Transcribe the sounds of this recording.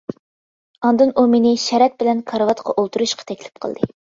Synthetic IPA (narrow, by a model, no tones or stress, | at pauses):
ɑnd̪ɨnʔumenɪʃɛɾɛt̪̚bɪlɛnkʰɑɾvɑt̪qʰɑ̰ʔolˠt̪uɾuʃqʰɑ̥t̪ʰɛkʲlɪ̥p̚qʰə̰lˠd̪ɨ